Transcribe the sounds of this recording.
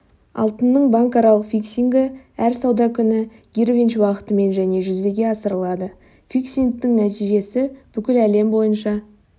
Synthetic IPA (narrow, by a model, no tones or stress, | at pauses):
ɑ̰lˠt̪ənːəɴbɑŋkɑɾɑlˠəqfʲiksʲiŋɡəæɾsɑwd̪ɑkʲʰʏnɪ | ɡ̥ʲiɾvʲinʃwɑqə̥t̪əme̞nʒæne̞ʒʏzd̪e̞ɡʲe̞ɑsəɾəlˠɑd̪ə | fiksʲiŋk̚t̪ːɪŋnæt̪ijʒe̞sɪb̥ʏkʲɪlæle̞mbo̞jənʃɑ